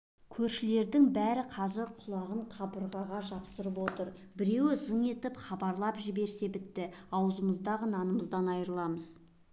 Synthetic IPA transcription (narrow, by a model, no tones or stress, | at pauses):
kʲʰɵɾʃɪle̞ɾd̪ɪŋbæɾɪqʰɑzɪɾqʰʊlˠɑʁəɴqʰɑbəɾʁɑʁɑʒɑpsəɾəpwo̞t̪əɾ | bɪɾe̞wzəŋe̞t̪ɪpχɑbɑɾlˠɑpʒɪbe̞ɾse̞bɪt̪ːɪɑwəzəməzd̪ɑʁənɑnəməzd̪ɑnɑjɾəlˠɑməz̥